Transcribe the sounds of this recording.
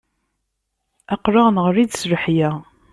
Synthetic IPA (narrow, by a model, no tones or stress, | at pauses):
æqɾˤɑʁnʁɾid̪sɾəħjæ